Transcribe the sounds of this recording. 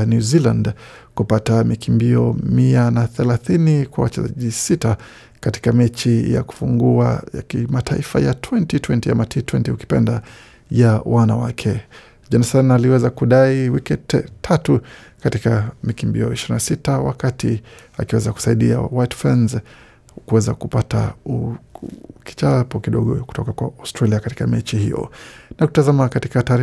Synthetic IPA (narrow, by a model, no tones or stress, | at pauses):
njuzilãndkupatamikimbiɔmianaθɛlaθinikwa̰wat͡ʃɛza̰ʄisita | kati̥kamɛt͡ʃija̰ku̥fuŋɡuajakimatʰaifa̰jatʰwɛntitwɛntiamatʰitwɛntiuki̥pɛnda | jawʔanawakʰɛ | d͡ʒanɛsanaliwɛzakuɗaiwikittʰatukatikamikimbḭɔiʃiɾinasitawa̰katia̰kiwɛzaku̥saiɗia̰wajtfɛnz | kuwɛzakupata̰u | ki̥t͡ʃapɔkiɗɔɠɔ̰ku̥tɔkakwaastɾaliakati̥kamɛt͡ʃihḭjɔ̰naku̥tazamakati̥kataːɾ